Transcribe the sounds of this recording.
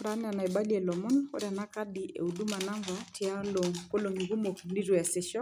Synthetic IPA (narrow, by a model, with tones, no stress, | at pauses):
ɾa˨˦nɛ˦a˨na˨i˨ɓa˦li˦ɛ˨lɔ˨mɔ˦nkɔ̰˦ɾa˨na˦ka˦ɗi˨ʔḛ˨u˨ɗu˦ma˨na˦ŋɡwa˨tʰi˨a˦lo˨ŋko˦lo˨ŋi˨ɣu˦mo˨kni˦ɾu˨ja˨sɛ˦ʃɔ˦